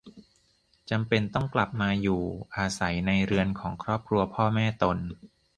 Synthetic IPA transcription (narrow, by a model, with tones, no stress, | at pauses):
t͡ɕa˧mpe˧nt̪ɔ˥˩ŋkla˨˩p̚maː˧juː˨˩ʔaː˧sa˩˦jna˧jɾɯ˧ənkʰɔː˩˦ŋkʰɾɔː˥˩p̚kʰɾu˧ɐpʰɔː˥˩mɛː˥˩t̪o˧n